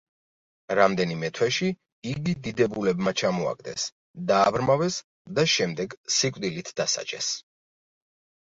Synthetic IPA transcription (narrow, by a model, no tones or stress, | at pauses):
ɾamd̪ɛnimɛt̪ʰwɛʃi | iɡid̪id̪ɛbulɛbmat͡ʃʰamɔa̰ɡ̚d̪ɛ̰s | d̪aːbɾmavɛs | d̪aʃɛmd̪ɛɡsikʼd̪ilit̪ʰd̪̥asa̰t͡ʃʼɛ̰s